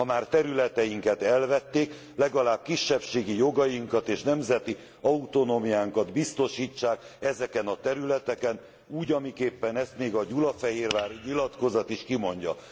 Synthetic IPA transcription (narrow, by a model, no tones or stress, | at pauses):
ɒmaːrt̪ɛɾylɛt̪ɛjiŋkɛt̪ɛlvɛt̪ːeːk | lɛɡɒlaːb̥̚kiʃːɛpʃeːɡijo̞ɡɒjiŋkɒt̪eːʃnɛmzɛt̪i | ɒut̪o̞noːmijaːŋkɒd̪bist̪o̞ʃiːt͡ʃːaːk | ɛzɛkɛnɒt̪ɛɾylɛt̪ɛkɛn | uːɟɒmikeːpːɛnɛst̪meːɡɒɟulɒfɛɦeːrvaːɾiɲilɒt̪ko̞zɒt̪iʃkimo̞ɲɟɒ̰